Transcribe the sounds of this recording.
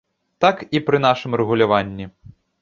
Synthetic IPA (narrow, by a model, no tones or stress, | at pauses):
t̪akipɾɨn̪aʂɨmrɛɣulʲavanʲːi